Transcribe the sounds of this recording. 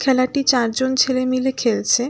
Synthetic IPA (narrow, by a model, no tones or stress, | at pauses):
kʰɛlaʈit͡ɕaɾd͡ʑont͡ɕʰelemilekʰelt͡ɕʰe